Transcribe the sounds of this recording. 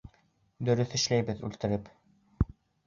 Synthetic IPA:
d̪ɵ̆ɾɵθɘ̆ʃlæjbɘðʉ̰lt̪ɘ̆ɾɘp

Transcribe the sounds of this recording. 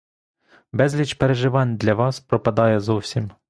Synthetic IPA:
bɛzʲlʲit͡ʃpeɾeʒɪʋɑnʲd̪lʲɐʋɑspɾɔpɐd̪ɑjɛzɔwsʲim

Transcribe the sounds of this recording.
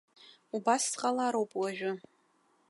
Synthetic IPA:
ubassqʼalaɾowpʼwaʒᶣʊ

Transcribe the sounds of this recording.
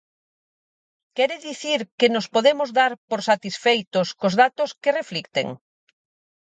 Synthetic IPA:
kɛɾɪðiθiɾkenospoðemʊzðaɾpoɾsat̪isfejt̪ʊskozðat̪ʊskereflikt̪ḛŋ

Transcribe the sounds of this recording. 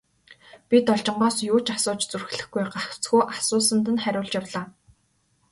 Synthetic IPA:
pʲit̪ɔɮt͡ɕɪ̆ɴɢɔːsjuːt͡ɕasʊːt͡ɕt͡surxɮɘ̆xɡujɢaw̥t͡sxuːʔasʊːsə̆nt̪̬ə̆nχæɾʲʊːɮt͡ɕjawɮaː

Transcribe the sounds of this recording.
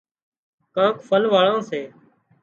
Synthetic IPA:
kãːkfəlʋaːɭãːseː

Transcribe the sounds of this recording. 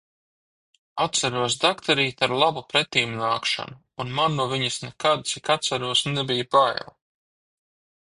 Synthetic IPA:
at̪t̪saɾuɔs̬d̪akt̪ʰɛɾiːt̪aɾlˠabupɾɛt̪iːmunaːkʃa̰nuːnmanːuɔviɲasnɛkad̪̚t̪sikat̪saɾuɔsnɛbijapaj̰lˠ

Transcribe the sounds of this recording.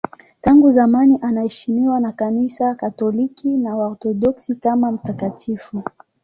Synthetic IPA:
taŋɡuzamaniʔanahɛʃimiwanakanisakatɔlikinawaɔt̪ɔɗɔksikamam̩takatʰifu

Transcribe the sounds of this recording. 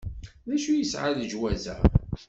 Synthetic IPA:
ðæʃujəsʕaðd͡ʒwæzæ̰

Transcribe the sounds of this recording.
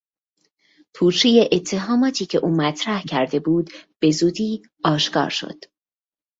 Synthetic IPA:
pʰuːt͡ʃʰiːjeʔet̪ʰːe̞ɦɒːmɒːt̪ʰiːcʰe̞ʔuːmæt̪ʰɾæhcʰæɾd̪e̞buːd̪b̥e̞zuːd̪iː | ɒːʃkɒ̰ːɾʃo̰d̪̥

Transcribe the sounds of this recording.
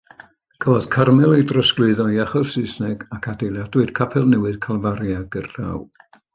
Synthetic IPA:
kʰəvɔð̥kʰarmɛlˠejdrəsklɨɨðɔiaχɔsɨsnɛɡakʰadejlˠjadwɪɨd̥kʰapʰɛlˠnɛwɨð̥kʰalˠvaɾjaɡ̥ərra̰w

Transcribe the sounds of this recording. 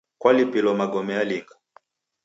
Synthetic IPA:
kwalipilɔmaɡɔmɛaliŋɡa

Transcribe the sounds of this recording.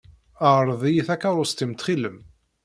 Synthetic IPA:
əʁɾˤðˤijiθækːɑɾˤʊst̪imt̪χiləm

